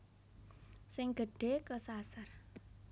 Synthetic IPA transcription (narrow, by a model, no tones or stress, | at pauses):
sɪŋɡ̥ə̤ɖ̥e̤kəsasar